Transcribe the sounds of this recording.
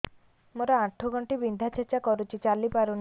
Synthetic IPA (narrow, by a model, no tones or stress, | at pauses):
moɾaaʈʰːoɡʱɔɳʈibind̪ʱat͡ʃʰet͡ʃakɔɾut͡ʃʰit͡ʃalipaɾun